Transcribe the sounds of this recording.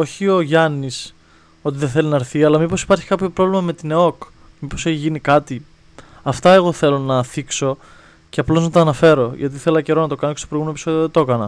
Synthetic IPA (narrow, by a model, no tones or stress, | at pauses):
o̞çio̞ʝɐnis | o̞t̪iðeθe̞linɐɾθiɐlɐmipo̞si̥pɐɾçi̥kɐpço̞pɾo̞vlimɐme̞t̪ineo̞k | mipo̞se̞çiʝinikɐt̪i | ɐft̪ɐe̞ɣo̞θe̞lo̞nɐθikso̞ | ce̞ɐplo̞znɐt̪ɐːnɐfe̞ɾo̞ʝɐt̪iθe̞lɐceɾo̞nɐt̪o̞kɐnocest̪opɾɣumenopiso̞t̪joðet̪o̞kɐnɐ̰